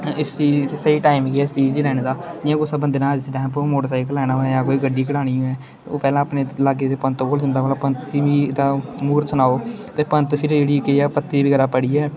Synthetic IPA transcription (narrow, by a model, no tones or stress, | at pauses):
ɪst͡ʃiːsəiːʈaːimɡiɛːɪst͡ʃiːd͡ʒiːlɛːɽ̃eːd̪aːãːkosəbənd̪eːnãːd͡ʒsʈɛ̃ːmpːmoːʈəɾsaːɪkəlːɛːnaːjaːkoːiːɡəɖːiːkəɽaːɽ̃iːũɛː | o̰ːpɛːlãːəpɳeːlaːɡeːt̪eːpənt̪ːboːld͡ʒənd̪aːʋaːlaːpənt̪ːiʋiːd̪aːmuːɾsənaːoː | t̪eːpənt̪pʰɪɾd͡ʒeːɽiːkeaːpət̪ːiːbɪɡːɾaːpəɽiːɛː